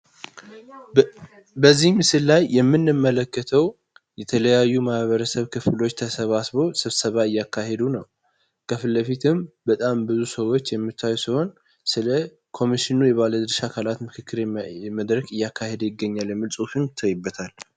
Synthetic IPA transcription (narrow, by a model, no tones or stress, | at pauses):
bəzːihmɨsɨlːajːɛmːɨnːɨmːələkːət̪ʰəw | jɛt̪ʰələjajːumahβəɾəsəβkʰɨflo̞t͡ʃːt̪ʰəsəβasbo̞sɨβsəβaɨjːakʰːahe̞d̪unəw | kʰəfɨlːəfit̪ʰɨmbət̪ʼambɨzusəwo̞t͡ʃːjɛmːɨt̪ʰːajusiho̞n | sɨlə | kʰo̞miʃɪnujɛβaləd̪ɨɾʃakʰalat̪mɨkʰɨkːɨɾməd̪ɾəkɨjːakʰːahe̞d̪jɪɡːəɲːalmɨlsʼufɨnt̪ʰːəjɨbːət̪ʰal